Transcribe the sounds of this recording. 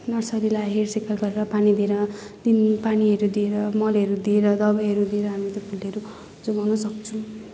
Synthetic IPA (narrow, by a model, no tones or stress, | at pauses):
nʌrsʌɾilaɦersekʌlɡʌɾeɾʌpanid̪ieɾʌ | d̪̥inpaniɦʌɾud̪ieɾʌmʌlʌɾud̪ieɾʌd̪ʌbajɦʌɾud̪ieɾʌɦamit̪ʌpʰulːeɾu | d͡zobʱʌnːʌsʌkt͡sʰu